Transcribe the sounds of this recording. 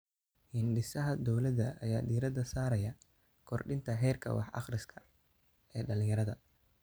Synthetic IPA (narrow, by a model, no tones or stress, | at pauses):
hɪnɖɪsɐɦɐd̪ɔwlɐd̪ɐʔːjaːɖiːɾɐd̪ɐsaːɾɐjɐ | kʰɔrɖɪnt̪ʰɐɦɛːrkʰɐ̰wɑ̰ħɑ̰χrɪskʰɐ̥ | ɛːɖɐlɪ̃ŋjɐɾɐðɐ